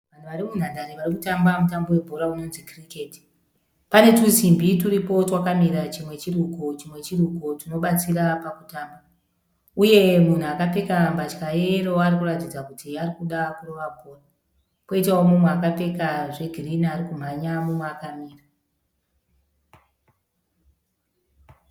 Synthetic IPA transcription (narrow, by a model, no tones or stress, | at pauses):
ʋan̤uʋaɾimun̤andaɾiʋarikutambamutambo̞we̞bʱo̞ɾauno̞nzikrike̞ti̥ | pane̞tuzimbituɾipo̞twakamiɾat͡ʃimwe̞t͡ʃirukot͡ʃimwe̞t͡ʃirukotino̞ɓat͡sirapakutaːmba | uje̞mun̤uakape̞kambat͡ʃkajero̞arikuratid͡zakutiarikuɗakuro̞ʋabʱo̞ːra | po̞itaomumweakape̞kaʐe̞ɡʱiriniaɾikum̤aɲamumweakamiːra